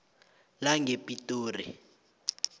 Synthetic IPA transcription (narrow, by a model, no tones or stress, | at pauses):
laŋepʼitʼoːrḭ